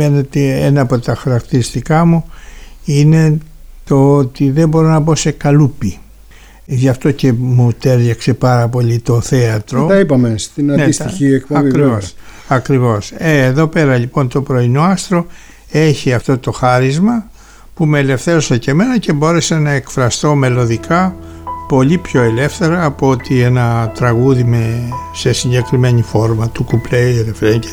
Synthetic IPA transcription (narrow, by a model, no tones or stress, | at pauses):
enet̪eenɐːpo̞t̪ɐxɐɾɐkt̪iɾist̪ikɐmu | ine̞ | t̪o̞ot̪iðe̞bo̞ɾo̞nɐbo̞se̞kɐlupi | ʝɐft̪o̞ce̞mut̪e̞ɾʝɐkse̞pɐɾɐpo̞lit̪o̞θe̞ɐt̪ɾo̞t̪ipɐmest̪innesiek̚ɐkɾivos | ɐkɾivo̞seːðo̞pe̞ɾɐlipo̞nt̪o̞pɾo̞ino̞ɐst̪ɾo̞ | e̞çiɐft̪o̞t̪o̞xɐɾizmɐ | pumeːle̞fθe̞ɾo̞sɐce̞me̞nɐce̞bo̞ɾe̞senɐekfɾɐst̪o̞me̞lo̞ðikʰɐ | po̞ʎipço̞e̞le̞fθe̞ɾɐːpoot̪ienɐt̪ɾɐɣuðime̞se̞siɲɟe̞kɾime̞ɲifo̞ɾmɐt̪ukuplejɾefɾeɲɟe